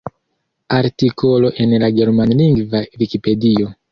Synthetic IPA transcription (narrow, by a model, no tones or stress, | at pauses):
aɾtiko̞lo̞ʔe̞nlaɡe̞ɾmanliŋɡvavikipe̞dio̞